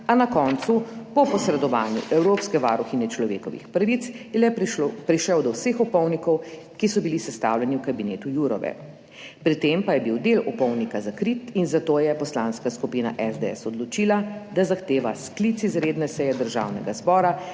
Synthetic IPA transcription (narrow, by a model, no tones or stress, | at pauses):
anakɔːnt̪supɔpɔsɾɛd̪ɔʋaːnjṵʔɛwɾoːpskɛʋa̰ɾuxinɛt͡ʃlɔʋḛːkɔʋḭxpɾaʋit̪slɛpɾiʃɛwd̪ɔwsexupɔwnikɔw | kisɔbilisɛst̪a̰ːwljɛniwkabineːt̪ujuɾɔ̰ʋɛ̰ | pɾit̪empajɛbiwd̪eːlɔpɔwnikazakɾit̪inzat̪oːjɛpɔslãnskaskupina̰ʔɛzd̪ɛɛ̰sɔd̪lɔt͡ʃilad̪azaxt̪eːʋasklit̪sizɾeːd̪nɛsɛjɛd̪əɾʒa̰ːwnɛɡazbɔːɾa